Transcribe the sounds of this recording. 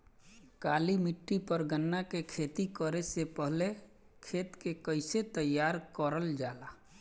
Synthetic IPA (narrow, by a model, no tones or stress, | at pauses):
kaːlimɪʈːipəɾɡənːakekʰeːt̪ikəɾesepəɦle | kʰeːt̪kekəɪset̪əjːaːɾkəɾəld͡ʒaːla